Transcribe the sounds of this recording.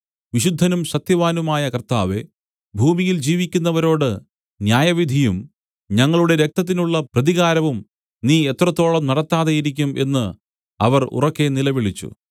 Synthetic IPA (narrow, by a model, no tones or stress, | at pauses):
ʋiɕud̪ʱːɐnumɕɐt̪jɐʋaːnumaːjɐkɐrt̪a̰ːʋe̞̰ | bʱuːmijild͡ʑiːʋikʲːunːɐʋɐɾo̞ːɽɨ | njaːjɐʋid̪ʱijum | ɲɐŋːɐɭuɽe̞ɾe̞k̚t̪ɐt̪̬ːinuɭːɐprɐðiɣaːɾɐʋum | niːet̪rɐt̪ːo̞ːɭɐmnɐɽɐt̪ːaːðejiɾikʲːumʔe̞nːɨ | ɐ̰ʋɐrṵrɐkːe̞nilɐʋiɭit͡ɕːṵ